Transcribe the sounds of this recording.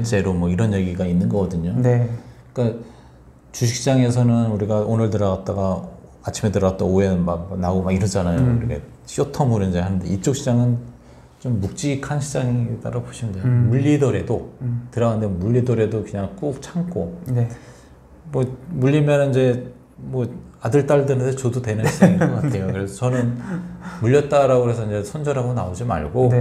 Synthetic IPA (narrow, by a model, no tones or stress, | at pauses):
t͡ɕ͈e̞ɾomʌiɾʌnjeɡiɡainːɯnɡʌɡʌdɯɲonkk͈a | t͡ɕuɕʰi̥k̚ɕ͈ʰid͡ʑaŋe̞s̬ʰʌnɯnuɾiɡaonɯɭtɯɾʌɡat̚t͈aɡa | at͡ɕʰime̞tɯɾʌɡat͈ʌoemak̚naɡomaɡiɾʌnd͡ʑanajouɾkʰe | ɕ͈otʰʌmuɾind͡ʑeɦanɯndeit͡ɕ͈ok̚ɕʰid͡ʑaŋɯn | t͡ɕomːuk̚t͡ɕ͈ikʰanɕʰid͡ʑaŋit͈a̰ɾaboɕʰimdejmuʎːidɯɾe̞dotɯɾʌanndemuʎːidɯɾe̞dokɯɲaŋk͈ok̚t͡ɕʰaŋk͈ʰon | mʌmuʎːimjʌnniɲd͡ʑe̞ | mʌadɯɭt͈aɭdɯɾɯntest͡ɕodutwe̞nɯnɕʰid͡ʑŋikakʰejokɯɾesʰʌt͡ɕʌnɯnmuʎːjʌt̚t͈aɾaɡoɾesʰʌiɲd͡ʑe̞sʰʌnd͡ʑʌɾaɡonaod͡ʑima̰ɭɡo